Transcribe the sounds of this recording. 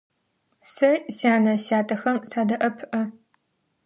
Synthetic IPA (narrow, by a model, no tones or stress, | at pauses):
sɐʔsaːnɐsaːtʰʼɐxɐmsaːdɐʔɐpʰʔɐ